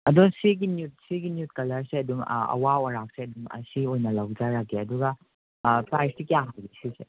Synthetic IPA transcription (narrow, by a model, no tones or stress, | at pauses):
ɐdoŋsiɡinjut̚siɡinjut̚kɐlɐɾseɐduŋɐ̰wawɔɾak̚seɐduŋɐ̰siojnɐlawd͡ʒaɾakːeɐduɡɐ | pɾajstikijaɦalɡisise